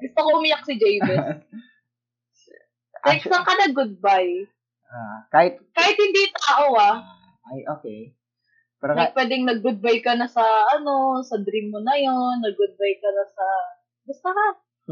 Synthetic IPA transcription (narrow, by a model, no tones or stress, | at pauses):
ɡʊst̪okoʔʊmɪjak̚sɪd͡ʒejmɛs | tɛksɐŋkɐnɐɡʊd̪̚baj | akaːhɪt̪̚kaːhɪt̪hɪnd̪it̪aːʔoa | ʔajʔoːke | pɛɾnpwɛːd̪ɛŋnɐɡ̚ɡʊd̪̚bajkɐnɐsɐʔɐno̞sɐd̪ɾimːonɐjo̞nːɐɡ̚ɡʊd̪̚bajkɐnɐsɐ | bʊst̪oŋa